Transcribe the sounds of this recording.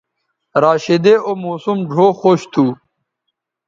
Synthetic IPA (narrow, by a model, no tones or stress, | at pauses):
ɾaːɕed̪eomoːsumɖʱoːxoɕt̪ʰuː